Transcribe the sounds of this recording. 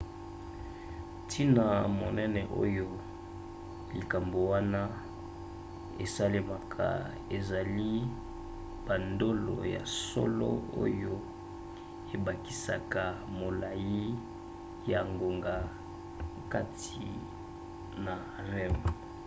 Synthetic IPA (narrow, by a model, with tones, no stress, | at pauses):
tʰi˦na˨mo˨nɛ˦nɛ˨ʔo̰˦jo˦ | li˨ka˨mbo˨wa˦na˦ | ḛ˨sa˦le˦ma˨kʰa̰˨ | e˨za˨li˦ | b̥a˨ndo˦lo̰˨ja̰˨so̰˦lo˦o̰˦jo˦ | e˨ba˨ki̥˨sa˨ka˨mo˨la˨ji˦ | ja˨ŋɡo˨ŋɡa˨ | ka˦tʰi˨ | na˨ | ʁɛ˦m